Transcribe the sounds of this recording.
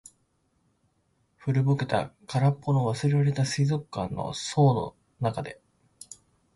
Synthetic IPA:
ɸɯ̟ɾɯ̟boke̞t̪a̰kaɾapːo̞noβ̞asɨɾe̞ɾaɾe̞t̪asɨizo̞kːãnːo̞̰so̞ːno̞̰ | nakad̪e̞

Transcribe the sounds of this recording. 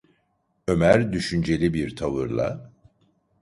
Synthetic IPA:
ø̞mæɾd̪yʃynd͡ʒe̞lʲibiɾt̪ʰavɯɾlˠa̰

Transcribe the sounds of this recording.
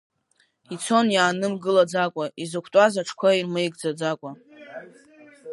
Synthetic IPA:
it͡sʰo̞njaːnɨmɡɨlad͡zakʷʼaizɨkʷʰtʼazaʈ͡ʂʰkʷʰairmɨjɡd͡zad͡zakʷʼa

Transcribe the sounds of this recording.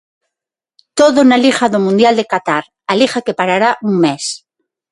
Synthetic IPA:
t̪oðonalixaðomũnd̪jald̪ekat̪aɾ | alixake̞paɾaɾaʔuŋmes

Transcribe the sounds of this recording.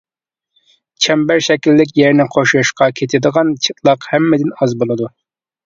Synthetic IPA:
t͡ʃʰɛmbæɾʃɛkʲilːɪk̬ʲjɛɾnɪqʰoʃuɨʃqɑkʲʰet̪ʰɪd̪əʁɑnt͡ʃʰɨt̪lˠɑqhɛmːɪd̪ɪnɑzbolˠɨd̪u

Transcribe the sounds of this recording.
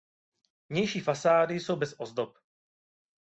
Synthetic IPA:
vɲɛjʃiːfasaːdɪso̞wbɛsʔozdop̚

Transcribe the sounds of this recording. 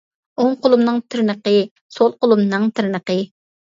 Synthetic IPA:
oŋqʊlˠumnɨŋt̪ʰɪɾnəqə | solˠqʊlˠumnɨŋt̪ʰɪɾnəqə

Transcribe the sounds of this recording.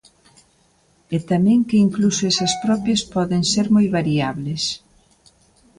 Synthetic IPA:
ɛt̪amɛ̃ŋkɪiŋklusoɛsɐspɾɔpjɐspɔðeŋseɾmojβaɾiaβles

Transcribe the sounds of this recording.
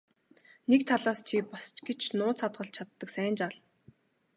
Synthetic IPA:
nekt̪ʰaɮaːst͡ɕʰipast͡ɕɡet͡ɕʰnʊːt͡sʰat̪ɢə̆ɬt͡ɕʰat̪ːə̆ksæːnt͡ɕaɮ

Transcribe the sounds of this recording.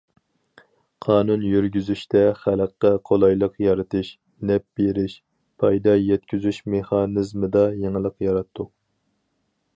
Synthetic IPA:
qʰɑːnunjyɾɡʲyzyʃt̪ɛχæləqːɛqʰolˠɑjlˠəqjɑɾɨt̪ʰɨʃ | nɛp̚b̥eɾɪʃ | pʰɑjd̪ɑjɛt̪̚kʲyzyʃmeχɑːnɨzmɨd̪ɑjeŋəlˠəqjɑɾɑt̪ʰːu

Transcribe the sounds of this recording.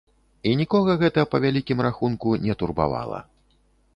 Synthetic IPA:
inʲikɔɣɐɣɛt̪ɐpɐvʲalʲikʲimraxunkunʲɛt̪urba̰va̰lˠɐ̰

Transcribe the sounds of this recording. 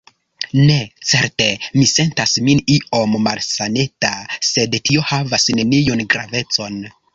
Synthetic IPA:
ne̞t͡se̞ɾte̞mise̞ntasminiʔo̞mːalsanetase̞dtio̞havasne̞nijonɡɾa̰ve̞t͡so̞n

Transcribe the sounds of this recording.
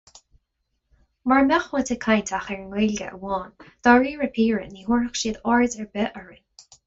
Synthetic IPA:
maɹmɛxwət̪ʰəkʰajnt̪ʰaxɛɹŋweːlʲɡə̰ʔə̰wɔːnd̪̥ɔɹiːɹəpʰiːɹəniːhuɹəxʃiːd̪ɔɹzɛɹbɛʔəɹən

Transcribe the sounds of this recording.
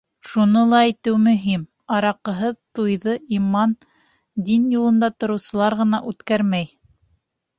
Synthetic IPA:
ʃunɤlˠɑijt̪ɘwmɵ̆ɦim | ɑɾɑqɤ̆ɦɤðt̪ujðɤʔimɑn | d̪injulˠɤ̆nd̪ɑt̪ŏɾɤ̆wsɤ̆lˠɑɾʁɤ̆nɑʔʉt̪kæɾmæj

